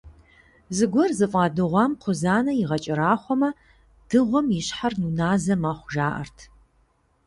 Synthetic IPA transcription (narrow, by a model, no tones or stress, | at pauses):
zɨɡʷɔrzɨfʼɑːdɨʁʷɑːmqʷʰʊzaːnɐjɪʁɐt͡ʃʼɐɾaːχʷɔmɐ | d̥ɨʁʷɔmjɪɕħarnunaːzɐmaːχʷʊʒaːʔɐ̰rtʰ